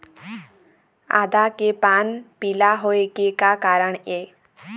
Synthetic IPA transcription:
a̰d̪akepanpilaɦoekekakaɾəɳe

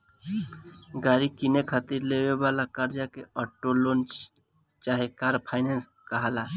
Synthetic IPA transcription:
ɡaːɾikɪnekʰət̪iɾlewebalakaɾd͡ʒakeɔʈːolon | t͡ʃaːɦekaːɾpʰaɪnens | kəɦala

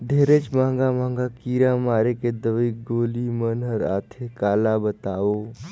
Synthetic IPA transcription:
d̪ʱeːɾet͡ʃmãːŋɡamãːŋɡakiːɾamaːɾeked̪əʋiɡoːlimənəɾa̰ːt̪ʰekaːlabət̪aːoː

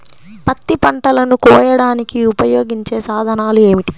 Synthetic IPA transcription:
pɐt̪ːipɐɳʈɐlɐnukɔːjɐɽaːnikiupɐjo̞ːɡiɲt͡ʃe̞ːsaːd̪ʱɐnaːlue̞ːmiʈi̥

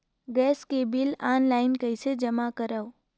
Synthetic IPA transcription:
ɡɛːskebilaːnlaɪnkəjsed͡ʒəmakəɾaw

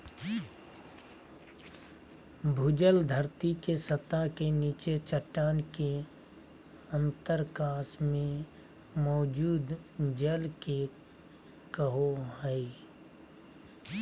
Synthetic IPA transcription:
bʱʊd͡ʒəld̪ʱəɾt̪ikesət̪akeniːt͡ʃet͡ʃəʈːaːnke | ə̃nt̪əɾkaːsmẽ | mɔːd͡ʒuːd̪d͡ʒəlke | kəɦoɦɛi

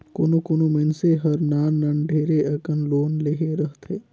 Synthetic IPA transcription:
koːnokoːnomenseɦəɾnaːnəɳɖʱeːɾeʔəkənloːnleɦeɾəɦt̪eː

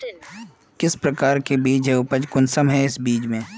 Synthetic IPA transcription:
kɪspɾɐkaːɾkebiːd͡ʒɦeʊpəd͡ʒkʊnsəmɦɛɪsbiːd͡ʒmẽː

